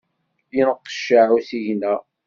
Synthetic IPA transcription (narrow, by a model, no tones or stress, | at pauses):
inəqːə̥ʃaʕusiʝnæ